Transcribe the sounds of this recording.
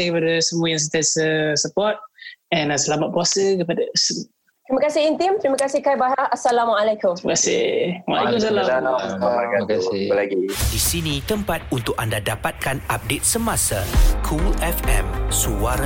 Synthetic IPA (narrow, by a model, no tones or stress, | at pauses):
ŋkəpadəsəmuəjãŋs̬ət̪ɛnsəsəpɔt̪̚ɛ̃nasəlamat̚puasəkəpadas | t̪ɾiməkasiint̪imt̪ɾimakasikajbaɦaasalamaalakumiməkasḭwa̰lɛkumsalã | akakasilaɡidisinĩt̪əmpat̪̚unt̪ʊk̚andadapat̪̚kanap̚det̪̚səmãsakʰuʔɛfɛ̰msuaɾa